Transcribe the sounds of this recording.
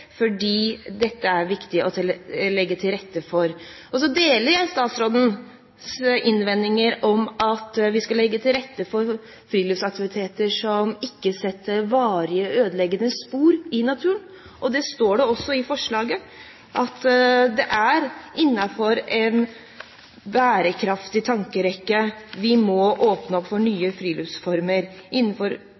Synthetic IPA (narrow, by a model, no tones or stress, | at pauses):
fɔɖiːd̪ɛt̪ːəæɾʋɪkt̪ɪʔɔt̪ʰɪlɛɡːət̪ʰɪlɾɛt̪ːəfɔɾʔɔsɔd̪eːləɾjæɪst̪ɑːt̪sɾoːd̪ən | sɪnːʋɛnːɪŋəɾɔmɑt̪ʋɪskɑlːɛɡːət̪ʰɪlɾɛt̪ːəfɔɾ | fɾiːlɪfsɑkt̪ɪʋɪt̪ʰeːt̪əʂɔmɪkːəsɛt̪ːəɾʋɑːɾɪəøːd̪əlɛɡːənəspuːɾɪnɑt̪ʰʉːən | ʔɔd̪ɛst̪oːɖɛɔsːɔɪfɔʂɭɑːɡə | ʔɑt̪d̪ɛʔæɾʔɪnːɑfɔɾɛn | bæːɾəkʰɾɑft̪ɪt̪ʰɑŋkəɾɛkːəʋɪmɔʔoːpnəɔpfɔɳyːəfɾiːlʏfsfɔɾməɾɪnːnfɔɾ